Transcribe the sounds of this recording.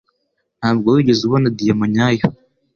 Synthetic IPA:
naːbɡawiɟezuβonad̪ijamaɲaːjo

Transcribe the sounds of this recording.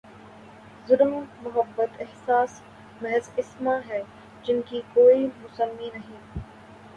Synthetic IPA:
zʊlmːʊɦəbːət̪ɪɦsaːs | mɛɦzɪsmaɦɛː | d͡ʒɪnkikoːimʊsəmːinɐɦĩː

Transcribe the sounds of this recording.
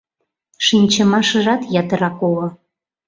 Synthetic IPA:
ʃinʲt͡ɕə̆mɑʃə̆ʒɑt̪jɑt̪əɾɑkolŏ

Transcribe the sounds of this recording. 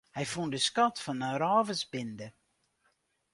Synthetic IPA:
hɛjfundəskɔtfɔnəɾɔːvəsbɪndə

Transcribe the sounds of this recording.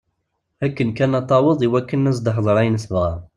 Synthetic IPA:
ækːənkænɑt̪ˤːɑwəðˤiwækːənːæs̬d̪ɑħðˤɾˤæjənsəvʁæ

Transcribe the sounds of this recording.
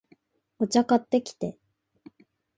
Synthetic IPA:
ot͡ɕakat̪ːe̞kʲi̥t̪e̞

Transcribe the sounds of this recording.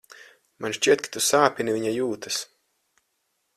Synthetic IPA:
manʃt͡ʃʲiɛt̪̚kḁt̪usaːpʲinivʲiɲajuːt̪as

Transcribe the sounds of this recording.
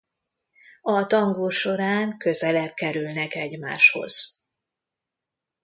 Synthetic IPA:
ɒt̪ɒŋɡoːʃo̞ɾaːŋkø̞zɛlɛb̚kɛɾylnɛkɛɟma̰ːʃho̞̰z̥

